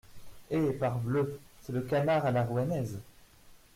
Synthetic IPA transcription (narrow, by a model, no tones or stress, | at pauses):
epaʁbløsɛləkanaʁalaʁuanɛz